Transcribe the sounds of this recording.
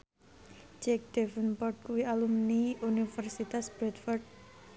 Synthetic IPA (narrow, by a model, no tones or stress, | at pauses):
d͡ʒɛk̚d̪̥ɛfənpɔrʈ̪̚kuwialumniunifərsit̪asb̥ɾɛt̪fɔrd̚